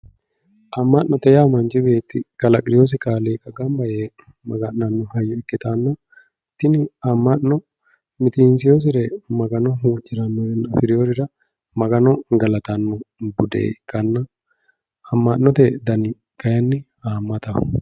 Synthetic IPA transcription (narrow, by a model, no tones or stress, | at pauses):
ʔɐmːaʔnɔt̪ɛjaːmɐnd͡ʒɪbeːt̪ːɪkɐlɐkʼɾɪjos̬ɪkaːleːkʼɐɡɐmbɐje | mɐɡɐʔnɐnːɔhɐjːɔɛkːɪt̪aːnːɐ | t̪ːɪnɪɐmːɐʔnɔ | mɪt̪iːnsɪjos̬ɪɾɛmɐɡɐnɔɦuːd͡ʒɪɾɐmːɔɾɪnɐfɪɾjoɾɪɾɐ | mɐɡɐnɔɡɐlɐt̪anːʊbʊd̪ḛːkɐnːɐ | ɐmːaʔnɔt̪ɛd̪ɐnɪ | kɐjɐnːɪ | aːmːɐt̪ɐ̰